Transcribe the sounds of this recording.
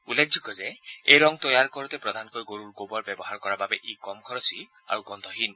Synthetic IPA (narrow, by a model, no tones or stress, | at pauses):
uleɡ̚d͡ʒʱikɔzeeɾɔŋt̪ɔjaɾkɔɾut̪epɾɔd̪ʱanɔkɔjɡoɾuɾɡobɔɾbjebɔɦaɾɔkɔɾababeʔikɔmkʰɔɾɔsi | a̰ɾuɡɔnd̪ʱɔɦin